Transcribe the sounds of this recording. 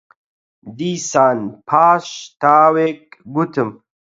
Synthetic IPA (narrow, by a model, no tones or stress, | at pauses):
d̪iːsaːnpʰaːʂt̪aːwekɡut̪ʰəm